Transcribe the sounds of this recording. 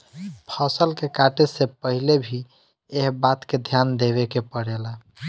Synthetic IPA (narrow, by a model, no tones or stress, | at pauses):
pʰəsəlkekaʈesepəɦilebʱi | eɦbat̪ked̪ʱjand̪eβekepəɽela